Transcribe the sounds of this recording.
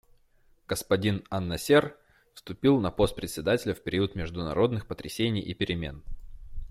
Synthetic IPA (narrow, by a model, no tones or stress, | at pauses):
ɡ̥əspɐdʲinanːɐsʲer | fst̪ʊpʲilˠnɐpo̞st̪̚pɾʲɪt̪ʲsʲɪd̪atʲɪlʲəfpʲɪɾʲiʊt̪mʲɪʐd̪ʊnɐ̰ɾo̞d̪nɨxpət̪ɾʲɪsʲenʲɪjʔipʲɪɾʲɪmʲe̞̰n